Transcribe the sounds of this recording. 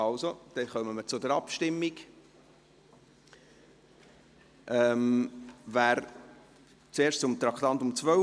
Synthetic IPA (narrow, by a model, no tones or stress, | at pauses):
ɑʊsod̪̥ɛχœməmət͡sʊdəɾɑpʃtɪmːik | ʔɛmvæːɾ | t͡seːɾʃt͡sʊmt̪ɾɑkt̪ɑntʊmt͡svœ